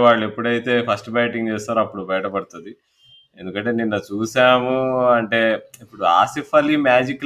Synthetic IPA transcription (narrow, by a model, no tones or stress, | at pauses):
ʋaːɭːue̞pːuɽɐjit̪e̞ːpʰɐsʈbaːʈiŋɡt͡ʃɛːst̪aːɾuɐpːuɽubɐjɐʈɐpɐɽut̪und̪i | e̞nd̪ukɐɳʈe̞ːninːɐt͡ʃuːsaːmuɐɳʈe̞ːipːuɽua̰ːsifɐlimjaːd͡ʒikː